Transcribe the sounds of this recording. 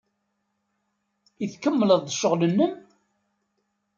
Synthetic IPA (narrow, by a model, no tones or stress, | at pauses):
iθkəmːələðˤðəʃːəʁlənːəm